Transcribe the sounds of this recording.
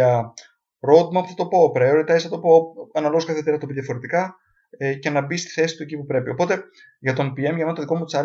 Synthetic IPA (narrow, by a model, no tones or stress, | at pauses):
ɐ | ɾod̪mɐpθɐt̪o̞po̞ːpɾeoɾit̪ɐesθɐt̪o̞po̞ɐnɐloɣskɐθet̪eɐt̪o̞biðʝɐfo̞ɾe̞t̪ikɐ | ce̞nɐbist̪i̥θe̞si̥t̪ue̞cipupɾe̞pio̞po̞t̪e̞ | ʝɐt̪o̞npiemʝɐmenɐt̪oðiko̞mut̪isɐ